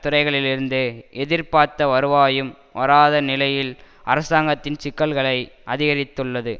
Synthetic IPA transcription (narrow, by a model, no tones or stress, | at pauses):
t̪ːʊɾɐɪɣɐɭɪlɪɾɯnd̪ɯɛðɪɾpaːɾt̪ɐʋɐɾɯʋaːjɯm | ʋɐɾaːðɐnɪlɐjɪl | ɐ̰ɾɐsaːŋɡɐt̪ːɪnt͡ʃɪkːɐɭɣɐɭɐɪʔɐðɪɣɐɾɪt̪ːɯɭːɐðɯ